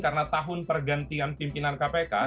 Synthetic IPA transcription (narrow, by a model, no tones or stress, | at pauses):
kaɾənat̪aɦʊnpərɡant̪ianpimpinankapeka̰